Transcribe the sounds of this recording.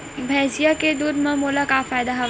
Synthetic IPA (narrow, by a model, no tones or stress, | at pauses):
bʱɛːsijaked̪uːd̪mɐ̃moːlakafaːjd̪aɦɐ